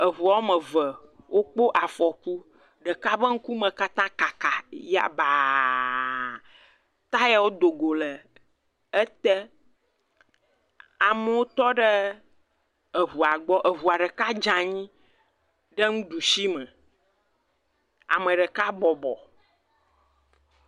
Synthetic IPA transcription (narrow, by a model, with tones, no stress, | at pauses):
ə˨ɦu˨a˨˦mə˨və˨ | wʔo˦k͡po˦ʔa˨fɔ˨ku˦ | ɖə˨ka˦bə˦ŋ̩˦ku˦mə̃˨ka˦t̪ã˦ka˨ka˨ja̰˨ba˨ | t̪a˦ja˨wo˦d̪o˨ɡo˨lə˨ | ə˦t̪ɛ˦ | a˨mə˨wo˦t̪ɔ˦ɖə˦ | ə˨ɦu˨a˨ɡ͡bɔ˦ʔə˨βu˨a˨ɖə˨ka˦d͡ʒã˨ɲĩ˦ | ɖə˦ŋũ˦ɖu˨si˦mə̃˨ | a̰˨mə̃˨ɖə˨ka˦bɔ˨bɔ̰˨